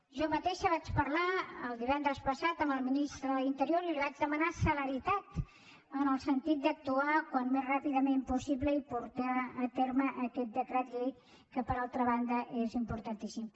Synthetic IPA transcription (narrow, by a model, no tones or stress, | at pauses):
ʒɔmət̪eʃəβat͡ʃpəɾlaəlˠd̪iβɛnd̪ɾəspəsat̪əmbəlˠminist̪ɾəðint̪əɾijoɾilliβad͡ʒðəmənasələɾit̪at̪ | ənəlˠsənt̪it̪̚d̪ək̚t̪uakwanmezrapiðəmempusiβləipuɾt̪aːt̪eɾməʔəkɛt̪̚d̪əkɾɛt̪ʎej | kəpəɾalˠt̪ɾəβ̞and̪əʔezimpuɾt̪ənt̪isim